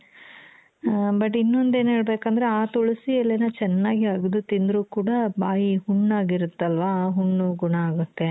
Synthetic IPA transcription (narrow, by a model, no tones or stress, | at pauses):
bɐʈ̬ːinːo̞nd̪e̞ːnɦe̞ːɭbe̞ːkɐnd̪ɐɾeaːt̪uɭusiɐlːenɐt͡ʃɛnːaːɡiɐɡd̪ut̪ind̪ɾuːkuːɽɐbaːjihuɳːaːɡiɾut̪ːɐlʋaːɦuɳːuɡuɳɐaːɡut̪ːe̞